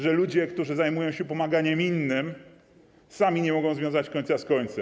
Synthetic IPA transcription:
ʐɛlud͡ʑɛkt̪uʐɘzajmujɔ̃w̃ɕɛpɔmaɡaɲɛminːɘm | samʲiɲɛmɔɡɔ̃w̃zvʲjɔ̃w̃zat͡ɕkɔɲʲt̪saskɔɲt̪sɛ

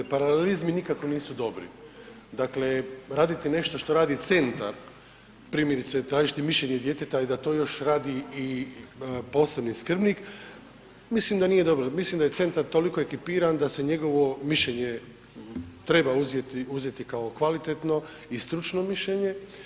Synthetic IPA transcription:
paɾalelizminikakʋoniːsud̪o̞bɾḭ | d̪akle̞ɾaːd̪it̪ine̞ʃt̪o̞ʃt̪o̞ɾaːd̪it̪se̞nt̪a̰ɾ | pɾiːmjeɾit̪set̪ɾaːʒit̪imiʃʎeɲed̪je̞t̪et̪aid̪at̪o̞ːjo̞ʃɾaːd̪iː | po̞ːse̞bniskr̩bnik | mislimd̪anije̞d̪o̞bɾomislimd̪ajese̞nt̪aɾt̪o̞likoe̞kipiːɾand̪ase̞ɲe̞ɡo̞ʋo̞miʃʎeɲe | t̪ɾe̞bauzjet̪iuzje̞t̪ikao̞kʋalit̪et̪no̞ | ist̪ɾut͡ʃno̞miʃʎeɲe̞

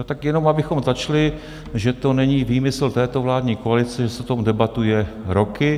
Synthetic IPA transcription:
not̪akjɛno̞mabɪxo̞mzat͡ʃlɪ | ʒɛt̪o̞nɛɲiːviːmɪsl̩t̪ɛːt̪o̞vlaːdɲiːkoalɪt͡sɛʒɛsɛt̪omdɛbat̪ujɛɾo̞kɪ

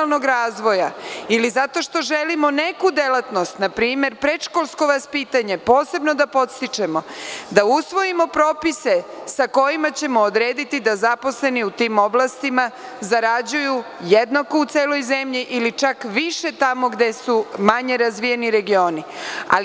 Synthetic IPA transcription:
lˠno̞ɡɾaːzʋo̞jailizat̪o̞ʃt̪o̞ʒe̞limo̞ne̞kud̪e̞lat̪no̞st̪napɾiːme̞ɾpɾe̞ʃkolˠsko̞ʋaspiːt̪aɲe̞po̞ːse̞bno̞d̪apo̞t̪st̪it͡ʃemo̞d̪ausʋo̞imo̞pɾo̞pise̞sako̞jimat͡ɕe̞mood̪ɾeːd̪it̪id̪azapo̞sle̞niut̪iːmo̞blˠast̪ima | zaɾad͡ʑuju | jed̪nako̞ut̪se̞ːlo̞jze̞mʎiʔilit͡ʃakʋiʃe̞t̪amo̞ɡd̪e̞sumaɲe̞ɾazʋijeniɾe̞ɡio̞ːnia̰l

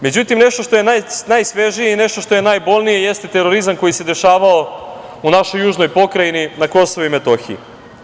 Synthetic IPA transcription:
me̞d͡ʑut̪imneʃt̪oʃt̪o̞jenajnajsʋeʒijeineʃt̪o̞ʃt̪o̞je̞najbo̞lˠnije̞jest̪e̞t̪e̞ɾo̞ɾizamko̞jise̞d̪e̞ʃaːʋao | unaʃo̞jːuːʒnojpo̞kɾajininako̞so̞ʋuimet̪o̞xḭḭ

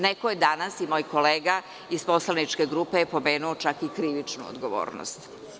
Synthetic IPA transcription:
nekojed̪anasimojko̞leːɡa | ispo̞slˠanit͡ʃke̞ɡɾupejepo̞meːnuot͡ʃakikɾiʋit͡ʃnṵo̰d̪ɡoʋo̰ːɾno̰st̪

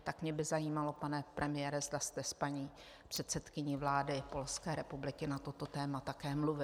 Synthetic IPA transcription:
t̪akmɲɛbɪzajiːmalo̞panɛpɾʔɛmɪjɛːɾɛzd̪ast̪ɛspaɲiː | pr̥ɛt̪sɛt̪kɪɲivlaːdɪpo̞lskɛːɾɛpublɪkɪnat̪o̞t̪o̞t̪ɛːmat̪akɛːmluvɪ

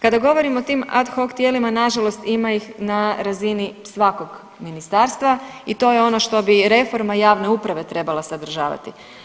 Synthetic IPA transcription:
kad̪aɡo̞ʋo̞ɾimoot̪iːma̰d̪xo̞kt̪je̞limanaʒalo̞st̪imajixnaɾazinisʋako̞ɡ | minist̪aːɾst̪ʋait̪o̞jeo̞no̞ʃt̪o̞biɾe̞fo̞ɾmajaːʋne̞upɾaʋe̞t̪ɾe̞balˠasad̪ɾ̩ʒa̰ːʋa̰t̪i

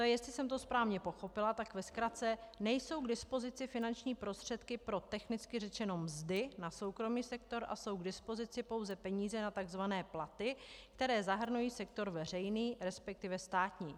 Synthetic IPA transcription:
t̪ojɛst̪lɪsɛmt̪o̞spɾaːvɲɛpo̞xo̞pɪlat̪akvɛskɾat͡sɛnɛjso̞wɡdɪspo̞zɪt͡sɪfɪnant͡ʃɲiːpɾost̪r̝̥ɛt̪kɪpɾo̞t̪ɛxnɪt͡skɪrɛt͡ʃɛno̞mzdɪnaso̞wkɾo̞miːsɛk̚t̪o̞ɾʔa̰so̞wɡdɪspo̞zɪt͡sɪpo̞wzɛpɛɲiːzɛnat̪aɡzvanɛːplat̪ɪkt̪ɛɾɛːzaɦr̩nujiːsɛkt̪o̞ɾvɛrɛjniːɾɛspɛk̚t̪ɪvɛst̪aːt̪ɲiː

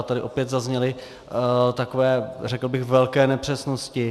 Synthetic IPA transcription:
t̪adɪʔo̞pjɛt̪zazɲɛlɪ | t̪akovɛːrɛkl̩bɪxvɛlkɛːnɛpr̝̥ɛsnoscɪ

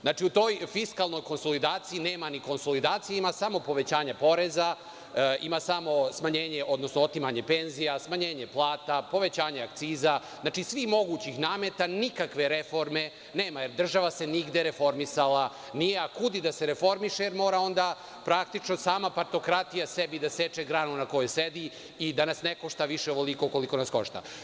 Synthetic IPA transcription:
znaːʈ͡ʂiut̪o̞jfiskalˠno̞jko̞nso̞lid̪aːt̪siineːmaniko̞nso̞lid̪aːt̪sijeimasamo̞po̞ʋe̞t͡ɕaːɲapo̞ɾe̞za | imasamo̞smaɲeːɲe̞ʔo̞d̪no̞snoot̪imaɲe̞pe̞nzijasmaɲe̞ːɲe̞plˠaːt̪apo̞ʋe̞t͡ɕaːɲeak̚t̪siːzaznaːt͡ʃisʋixmo̞ɡuːt͡ɕixnaːme̞t̪anikakʋe̞ɾefo̞ɾme̞ | neːmajeɾd̪r̩ʒaʋase̞niɡd̪eɾefo̞ɾmisala | nijeakud̪id̪aseɾefo̞ɾmiʃejeɾmo̞ːɾao̞nd̪a | pɾak̚t̪it͡ʃno̞saːmapaɾt̪o̞kɾat̪ijasebid̪aset͡ʃeɡɾaːnunako̞jused̪i | id̪anasnekoʃt̪aʋiʃeoʋolikoko̞liko̞nasko̞ʃt̪a̰

